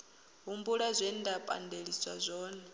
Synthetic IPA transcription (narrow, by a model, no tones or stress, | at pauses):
ɦumbuɺazʷɛndapʼa̰ndeɺisʼa̰zʷɔːnɛ